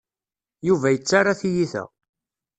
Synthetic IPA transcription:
juvæjət͡sːaɾːaθijiθæ̰

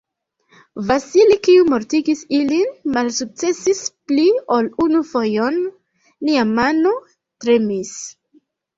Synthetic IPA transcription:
vasilikiumo̞ɾtiɡisilinmalsuk̚t͡se̞sisplio̞lunufo̞jon | liamano̞ | tɾe̞mis

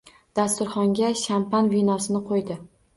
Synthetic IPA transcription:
d̪̥ast̪ʊɾχɒŋɡʲaʃampanvinɒsɪnɪqʰojd̪ɪ

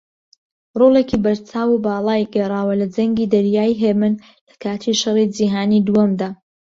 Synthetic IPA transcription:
rolˠekibɐɾt͡sʰaːwubaːlˠaːjɡɛrˤaːwɐlɐd͡zɐŋɡiːd̪ɐɾjaːjɦeːmɨn | lɐkʰaːt̪ʰiʃɑrid͡ʒiɦaːniːd̪uwɐmd̪aː

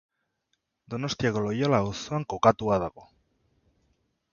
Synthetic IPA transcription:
d̪ono̞st̪iaɣolojolausoaŋkokat̪uaðaɣo

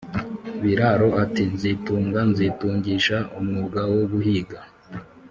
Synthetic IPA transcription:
βiɾaɾo̞atinzituːŋɡanzituːɲɟiːʃaumŋuɡawoɡuhiːɡa

